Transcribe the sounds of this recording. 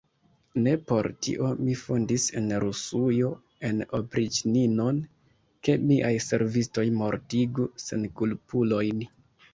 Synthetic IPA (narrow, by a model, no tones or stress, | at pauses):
ne̞po̞̰ɾtḭʔo̞mifondise̞̰nɾusujo̞ | e̞no̞pɾit͡ʃnino̞n | ke̞miʔajse̞̰ɾvisto̞jmo̞ɾtiɡuse̞̰nkulpulo̞jn